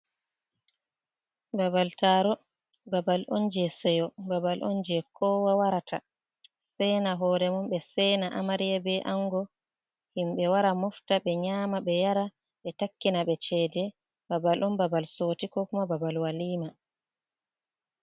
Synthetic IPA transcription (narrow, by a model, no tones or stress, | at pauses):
babaltaːɾɔ | babalʔond͡ʒɛsɛjɔbabalʔɔ̰nd͡ʒɛkʰɔːwawaɾatʰa̰ | sɛnaɦɔːɾɛmumbɛsɛːnaʔamaɾijabɛʔaŋɡɔ | himɓɛwaɾamɔftaɓɛɲaːmaɓɛjaɾa | ɓɛtakːinaɓɛt͡ʃɛdɛ | babalʔɔmbabalsoːtikɔkumababalwaliːma